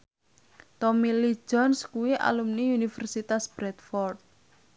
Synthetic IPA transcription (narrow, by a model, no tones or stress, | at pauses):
t̪ɔmili̥ʒ̥ɔnskuwiʔa̰lumniunifɛrsit̪asb̥ɾɛt̪̚fɔrt̪̚